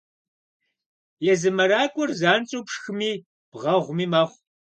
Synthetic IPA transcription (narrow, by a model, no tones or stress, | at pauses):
jɛzɨmɐɾaːkʷʼʊrzaːnt͡sʼuːpʂxɨmiː | b̥ʁɐʁʷmiːmaχʷ